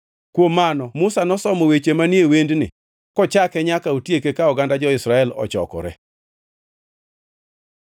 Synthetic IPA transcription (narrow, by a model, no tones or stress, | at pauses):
kwomːanɔmʊsanɔsɔmɔwet͡ʃemanjewendnɪ | kɔt͡ʃakɛɲakautjekekaɔɡandad͡ʒɔɪsɾaɛlɔ̰t͡ʃɔ̰kɔ̰ɾɛ̰